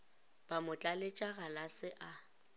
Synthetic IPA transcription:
b̥amʊt͡ɬʼalet͡ʃʼaɣalasɪʔa

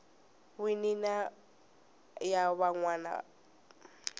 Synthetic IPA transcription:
winina | jaβaŋwaːna̰

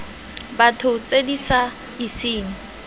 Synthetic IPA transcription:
batʰʊt͡sedisa | isɪːŋ̩

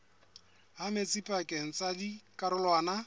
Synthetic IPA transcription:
ɦamet͡sʼipʼakʼeŋ̩t͡sʼadikʼaɾʊlwaːna

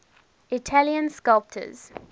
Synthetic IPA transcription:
ɪtʰaliə̃nskalp̚tʰə̰z̥

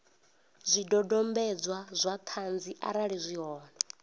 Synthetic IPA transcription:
zʷidɔdɔmbɛd͡zwazʷat̪ʰand͡ziʔa̰ɾaɺizʷiɦɔːna

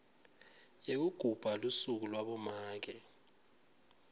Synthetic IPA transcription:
jek̬uɡ̥ʱub̥ʱalusuk̬ulwaɓɔmaːk̬ɛ

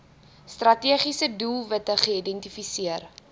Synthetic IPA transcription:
strɐtiəχisədulˠvətəχəidɛntifisiər

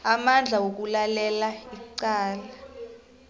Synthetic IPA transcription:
amand͡ɮʱawok̬ulalɛlaiǀaːla

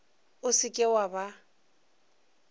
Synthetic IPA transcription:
ʊsɪkʼɪwaba

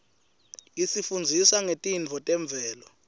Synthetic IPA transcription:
isifund͡zʱisaŋetʼint͡fʰɔtʼɛɱb̪vʱɛːlɔ

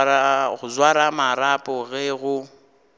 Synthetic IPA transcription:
ɣʊzwaɾamaɾapʼɔɣɛɣʊ

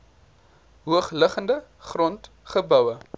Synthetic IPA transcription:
ɦuəχləχəndəχrɔnt | χəbœwə

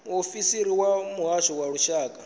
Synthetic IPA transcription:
mofisiɾiwamuɦaʃɔwaɺuʃaːkʼa

